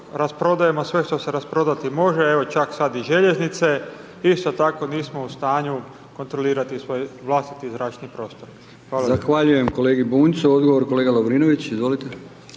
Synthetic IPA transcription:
ɾaspɾo̞d̪aje̞mosʋe̞ʃt̪o̞se̞ɾaspɾo̞d̪at̪imo̞ʒe̞e̞ʋo̞t͡ʃaksad̪iʒe̞ʎe̞znit̪se̞ | ist̪o̞t̪ako̞niːsmo̞ust̪aːɲu | ko̞nt̪ɾo̞liːɾat̪isʋo̞jʋlˠast̪it̪izɾaːt͡ʃnipɾo̞ːst̪o̞ɾ | xʋaːlazaxʋaʎuje̞mko̞leːɡibuːnsuod̪ɡoʋoɾko̞leɡalobɾiːnoʋit͡ɕizʋo̞lit̪e

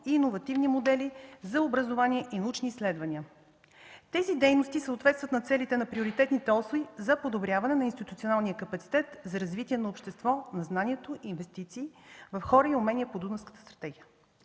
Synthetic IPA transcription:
iːnovɐt̪ivnimod̪ɛlizɐobɾəzovaniɛʔinɐut͡ʃniːslɛd̪vɐnʲiə | t̪ɛzid̪ɛjnost̪isəot̪vɛt̪st̪vət̪nɐt̪sɛlit̪ɛnɐpɾioɾit̪ɛt̪nit̪ɛɔsovizɐpod̪obɾjavɐnɛnɐinst̪it̪ut̪sionalˠnijəkɐpɐt̪si̥t̪ɛt̪zɐɾɐzvit̪ʲiɛnɐopʃt̪ɛst̪vɔnɐznanʲiɛt̪oʔiːnvɛst̪it̪siːvɐfxɔɾəiʊmɛniɛpod̪unəfskət̪ə̥st̪ɾɐ̥t̪ɛɡijə

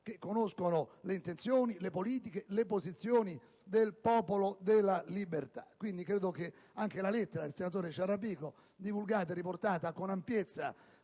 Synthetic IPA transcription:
k̟ekːonoskonʊleint̪ent̪sjoːnilepoliːt̪ikelepozit̪sːjoːni | d̪elpɔːpolod̪elːalibert̪ḁ̰kwind̪ikɾeːd̪ok̟e | aŋkelalet̪ːeɾailsenat̪̬oːɾeʃaɾapiːko | d̪ivulɡaːt̪̬ɛriport̪aːt̪akonampjet̪sːa̰

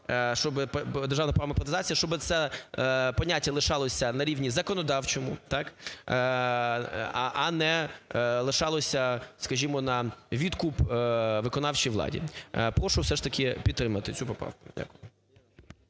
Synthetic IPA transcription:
ʃt͡ʃɔbɪpd̪erʒɑaʋnɐpɾaʋmɐpɾɐt̪ɪzɑt͡sʲijɐʃt͡ʃɔbɪt̪sɛ | pɔnʲatʲːɐlˠɪʃɑlˠɔsʲɐnɐɾʲiʋnʲizɐkɔnɔd̪ɑwt͡ʃɔmʊt̪ɑk | ʔɐnɛlˠɪʃɑlˠɔsʲɐskɐʒʲimɔnɐʋʲid̪kupʋɪkɔnɑwt͡ʃijʋlˠɑ̰dʲḭpɾɔʃʊwsɛʃt̪ɐkɪpʲid̪t̪ːɾɪmɐt̪ɪt͡sʲupɔpɾɑ̰wkʊ̥dʲa̰kʊjɪ

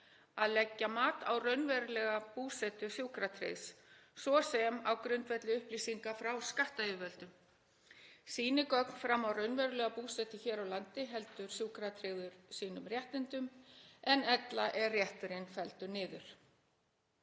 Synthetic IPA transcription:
aðlɛcːamaːt̪a̰wrœɥnvɛɾʏlɛɣapuːsɛt̪ʏ̥sjuwkɾat̪ʰɾḛjssvɔsɛmawkɾʏnt̪vɛt̪lɪʏhplisiŋkafɾawskaht̪aɪvœlt̪ʏm | siːnɪkɔkn̥fɾamːawrœɥnvɛɾʏlɛɣapuːsɛt̪ɪçɛːɾawlant̪ɪɦɛl̪t̪ʏɾ̥sjuːkɾat̪ʰɾeɣðʏɾ̥siːnʏmrjɛht̪ɪnt̪ʏmɛnɛt̪laʔɛrjɛht̪ʏɾɪnfɛlt̪ʏɾnɪːðʏɾ̥

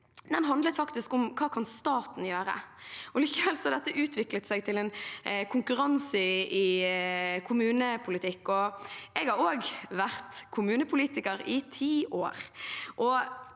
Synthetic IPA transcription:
d̪ɛnɦɑnd̪lət̪fɑkt̪ɪskʊmkʰɑːkʰɑnst̪ɑːt̪n̩jøːɾə̰ʔɔliːkəʋɛlsɔhɑd̪ɛt̪ːəʔʉːt̪ʰʋɪklət̪sæɪɡ̚t̪ʰɪlɛnkʰʊŋkʉɾɑnsɪɪ | kʰʊmʉːnəpʰʊlɪt̪ʰɪkːɔɛɡɑɾoːɡʋæʁt̪kʰʊmʉːnəpʰʊliːt̪ɪkəɾɪt̪ʰiːʔoːɾʔɔ

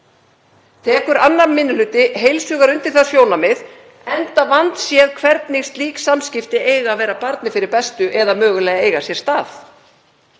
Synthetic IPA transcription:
t̪ʰɛːkʏɾanːamːɪnːʏlʏːt̪ɪɦejlsʏːɣaɾʏnt̪ɪɾ̥θasjoːwnamɪð | ɛnt̪avant̪sjɛðkʰvɛɾt̪niɣst̪liːksamscɪft̪ɪejɣavɛːɾapaɾt̪nɪfɪɾɪɾpɛst̪ʏʔɛðamœːɣʏlɛːɣaeːjɣasjɛɾ̥st̪aːθ

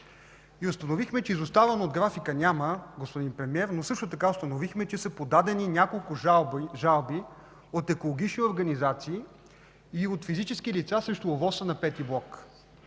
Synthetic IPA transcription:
iʊst̪ənovixmɛt͡ʃɛizost̪avənood̪ɡɾafikənʲaməɡospod̪inpɾɛmiɛɾnosɤʃt̪ʊt̪ɐkaost̪ɐnovixmɛt͡ʃɛsəpod̪ad̪ɛninʲakolˠkʊbʒalˠbi | ot̪ɛkolˠoɡʲit͡ʃnioɾɡɐnizat̪siː | ot̪fizit͡ʃɛskilit̪sasɾɛʃt̪oovɔsənɐpɛt̪iblˠɔk

